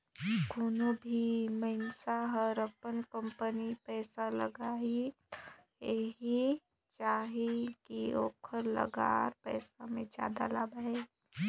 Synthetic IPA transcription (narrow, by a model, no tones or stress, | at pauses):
ɡʱuːnobʱiməɪnsaɦɔɾəpənkə̃mpənipɛːsaləɡaːi | eɦi | t͡ʃaːɦekioːkʰəɾlə̰ɡa̰ːɾpɛːsamẽd͡ʒja̰ːd̪a̰labe